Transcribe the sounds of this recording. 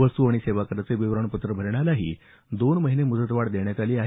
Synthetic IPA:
ʋəst̪uaɽ̃iseʋakəɾat͡seʋiʋɾəɳ̃pət̪ɾəbʱəɾɳjalaɦḭː | d̪onməɦinemud͡zət̪ʋaɽd̪eɳjat̪aliːaɦ

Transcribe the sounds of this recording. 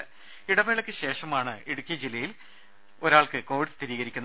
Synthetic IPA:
ɨ | iɽɐmeɭɐkʲːɨɕe̞ːʂɐmaːɳɨeɽukʲːjɐd͡ʑilːɐjil | o̞ɾaːɭkɨko̞ːʋiɖst̪ʰiɾiːɣɐɾikʲːunː

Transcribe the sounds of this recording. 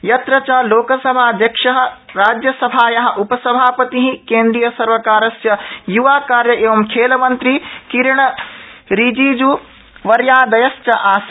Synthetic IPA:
jɐt̪ɾɐt͡ʃaːloːkɐsɐbʱaːd̪jɐkʃɐɦɐ̆ | ɾaːd͡ʒjɐsɐbʱaːjɐɦɐ̆ʔupɐsɐbʱaːpɐt̪iɦĩkẽːnd̪ɾijɐsɐɾʋɐkaːɾɐsjɐjuʋaːkaːɾjɐʔeʋɐmkʰeːlɐmɐ̃nt̪ɾikiɾɳ̃ɐɾiːd͡ʑiːd͡ʑuː | ʋɐɾjaːd̪ɐjɐst͡ʃɐʔaːs

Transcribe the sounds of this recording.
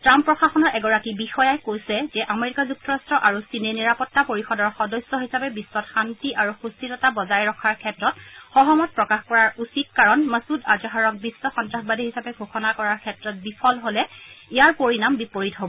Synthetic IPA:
tɹampːɹɔxaxɔnɔɹʔɛɡɔɹakibixɔjajkojsɛzɛʔameɹikazuk̚tɔɹastɹɔʔaɹusineniɹapɔtːapoɹixɔdɔɹxɔdɔsːɔɦisapɛbisːɔtxantiʔaɹuxustitɔtabɔzajɹɔkʰaɹkʰɛtɹɔtxɔɦɔmɔt̚pɹɔkaxkɔɹaɹusit̚kaɹɔnməsudad͡ʒɔɦaɹɔk̚bisːɔxɔntɹaxbadʱiɦisapɛɡʱoxɔnakɔɹaɹkʰɛtɹɔt̚bipʰɔlɦolɛijaɹpoɹinambipoɹitɦobɔ

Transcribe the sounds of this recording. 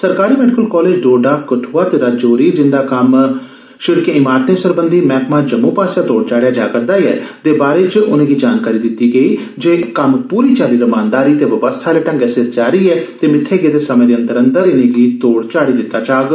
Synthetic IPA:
səɾkaːɾiːmɛːɖɪkəlkɔːleːd͡ʒɖoːɖaːkəʈʰuːaːt̪eːɾad͡ʒoːɾiːd͡ʒɪnd̪aːkəm | ʃɪɽkẽːɪmaːɾt̪ẽːsəɾbənd̪iːmɛ̃ːkmaːd͡ʒəmːũːpaːsjaːt̪oːɽt͡ʃaːɽejaːd͡ʒaːkəɾd̪aːiɛ̰ːt̪eːbaːɾeːt͡ʃʊnẽːɡiːd͡ʒaːnkaːɾiːd̪ɪt̪iːɡəiː | d͡ʒeːkəmpuːɾiːt͡ʃaːɾiːɾəmaːnd̪aːɾiːt̪eːʋəʋəst̪ʰaːleːʈə̃ŋɡɛseɾt͡ʃaːɾiːɛːt̪eːmɪt̪ʰːeːɡeːd̪eːsəmẽːd̪eːə̃nd̪əɾə̃nd̪əɾɪnẽːɡiːt̪oːɽt͡ʃaːɽiːd̪ɪt̪ːaːt͡ʃaːɡ

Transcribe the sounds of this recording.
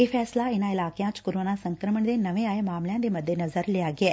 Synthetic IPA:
eːfʰɛːslaenaːɪlaːkejãːt͡ʃkoɾoːnasɐŋkɾəməɳd̪enɐʋeaːjɐmaːmljãnd̪emɐd̪ʱjenɐzəɾlijaːɡieː

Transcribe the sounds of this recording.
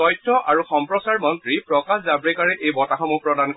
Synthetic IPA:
ɔjtʰːɔʔʔaɹuxɔmpɹɔsaɹmɔntɹipɹɔkaszabɹikaɹɛʔejbɔtaxɔmupɹɔdank

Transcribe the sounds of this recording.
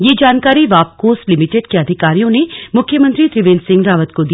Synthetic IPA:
jed͡ʒaːnkaːɾiʋaːp̚koːslɪmɪʈeɖkeɐd̪ʱɪkaːɾijõnemʊkʰːjəmə̃nt̪ɾit̪ɾɪʋẽːnsɪ̃ŋɡɾaːʋət̪kod̪i

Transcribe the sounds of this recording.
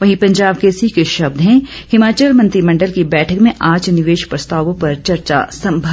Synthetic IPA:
ʋɐɦĩpɐ̃ɲd͡ʒaːb̚kesikeʃɐb̚d̪ɦɛ̃hɪmaːt͡ʃəlmɐ̃nt̪ɾimɐ̃ɳɖəlkibɛːʈʰəkmẽʔaːd͡ʒnɪʋeːʃpɾɐst̪aːʋõpɐɾt͡ʃɐɾt͡ʃa̰sɐ̃mbʱə

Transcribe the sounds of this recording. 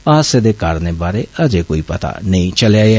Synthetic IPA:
aːseːd̪eːkaːɾneːbaːɾeːʔəd͡ʒeːkoːiːpɐt̪a̰ːnəĩt͡ʃəlaː

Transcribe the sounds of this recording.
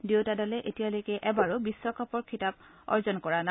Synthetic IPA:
dewtadalɛʔetijalojkɛʔɛbaɹobiswɔkʰɔpɔɹkʰitap̚ | ɔ̰ɹzɔnkɔɹana

